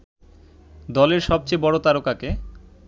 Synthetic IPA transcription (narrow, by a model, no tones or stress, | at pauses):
d̪ɔleɾʃɔb̚t͡ɕejbɔɽot̪aɾokake